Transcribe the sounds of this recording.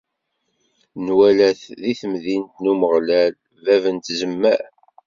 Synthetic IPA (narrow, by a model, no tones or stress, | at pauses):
nwælæθðiθəmðint̪numəʁlæl | vævənt̪zəmːæ